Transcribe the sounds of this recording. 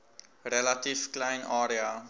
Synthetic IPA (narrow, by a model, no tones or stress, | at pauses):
ɾɛlativklãɪ̃naːɾia